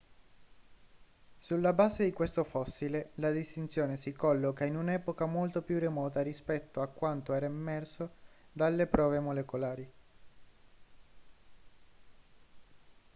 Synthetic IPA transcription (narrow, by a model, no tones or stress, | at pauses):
sulːabaːzed̪ikwest̪ofɔsːilelad̪ist̪int̪sjoːnesikɔlːokainunɛːpokamolt̪opjuremɔːt̪arispɛt̪ːoakːwant̪oɛːɾaimːɛrsod̪alːepɾɔːvemolekolaːɾi